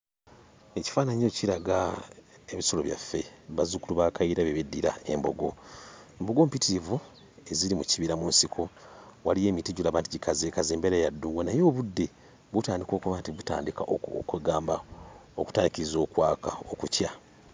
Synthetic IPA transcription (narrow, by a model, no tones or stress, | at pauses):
e̞ci̥faːnaɲo̞ːciɾaɡa | eβiso̞loβja̰fːe̞βazukuluβakaiɾaβeβedːiɾa̰e̞̰mbo̞̰ɡoembo̞ɡo̞ːmpitivu | e̞ziɾimuciβiɾamuːnsikʰo̞walije̞ːmitiɟulaːβaːntuɟikʰazeːkazeːmbeɾejadːuːŋɡwanajo̞ːβudːe̞ | βutaːndiko̞ːkuβaːntiβuta̰ːndikaʔkweɡaːmbao̰ku̥taːndikizo̞ːkwaːkaokucja